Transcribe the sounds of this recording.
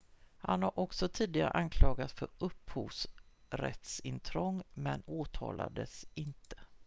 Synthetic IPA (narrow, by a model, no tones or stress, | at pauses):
hanhaɾʔɔksɔt̪ʰiːd̪ɪɡaɾə̰ʔankʰlɑːɡat̪sfœɾɵpːhuːsɾɛ̰t̪sɪnt̪ʰɾɔŋːmɛnoːt̪ʰɑːla̰d̪əsɪnt̪ə̥